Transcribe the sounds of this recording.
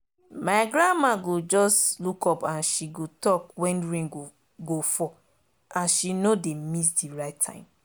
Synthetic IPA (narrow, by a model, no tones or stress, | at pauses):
maɪɡɹãmaɡod͡ʒɔslukɔpãnʃiɡotɔkwɛ̃nɹĩŋo | ɡofɔ | ãnʃinodemis̬diɹaɪtʰːã̰ɪ̃m